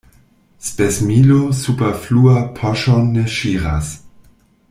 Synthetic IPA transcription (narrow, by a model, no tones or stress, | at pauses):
spesmilosupefluapʰaʃonːeʃiʁa̰s